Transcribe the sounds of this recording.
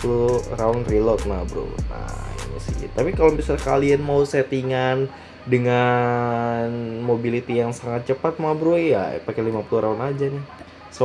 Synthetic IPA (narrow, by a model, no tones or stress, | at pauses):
uluɾaʊnrilɔt̪̚mabɾṵna̰ḭna̰siɲḭt̪apikalobisaka̰lianmauset̪iŋan | dəŋa | nmobilit̪ijaŋsaŋat̪̚t͡ʃəpat̪̚mabɾoja̰pakɛlimapuluɾaunad͡ʒanɪ | s